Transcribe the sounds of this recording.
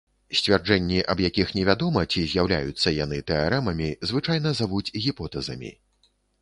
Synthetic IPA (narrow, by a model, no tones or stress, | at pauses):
sʲt͡sʲvʲard͡ʐɛnʲːiʔɐbjakʲixnʲɛvʲad̪ɔmɐt͡sʲizʲjawlʲa̰jut̪sːɐjan̪ɨt̪ɛaɾɛmɐmʲizvɨt͡ʂajnɐzavud͡zʲɣʲipɔt̪ɛzɐmʲḭ